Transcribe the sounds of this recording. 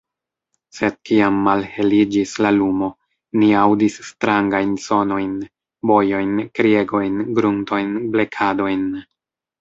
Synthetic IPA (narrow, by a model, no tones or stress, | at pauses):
se̞d̥̚kiamːalhe̞lid͡ʒislalumo̞ | niawdisːtɾaŋɡajnso̞no̞jn | bo̞jo̞jnkɾie̞ɡo̞jnɡɾunto̞jnble̞kʰado̞jn